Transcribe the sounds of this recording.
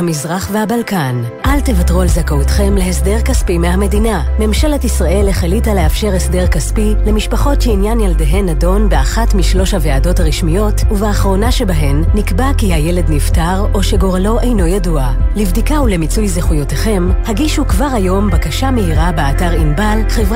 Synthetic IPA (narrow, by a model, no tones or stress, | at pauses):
amizʁaχve̞habalkan | ʔalte̞vatʁualzakautχe̞mlehesde̞ʁkaspimehame̞diname̞mʃeletisʁaʔe̞lːeχelitale̞afʃeʁesde̞ʁkaspi | le̞miʃpaχo̞tʃeinjanjaldeɦe̞nado̞nbeaχatmiʃlo̞ʃaveado̞thaʁiʃmijo̞tuvaaχʁo̞naʃe̞baɦe̞nːikbakihajele̞dniftaʁo̞ʃe̞ɡo̞ʁalo̞ʔe̞jno̞jadua | livdikaule̞mit͡sujzeχujo̞teχe̞mhaɡiʃukvaʁajo̞mbakaʃamehiʁabeataʁimbalχevʁ